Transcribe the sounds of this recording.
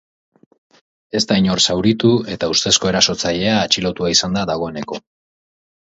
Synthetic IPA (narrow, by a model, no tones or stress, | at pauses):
e̞st̪aiɲo̞ɾsawɾit̪ue̞t̪aust̪e̞sko̞e̞ɾaso̞t͡saʎe̞aːt͡ʃilo̞t̪uaisand̪aðaɣ̞o̞e̞ne̞ko̞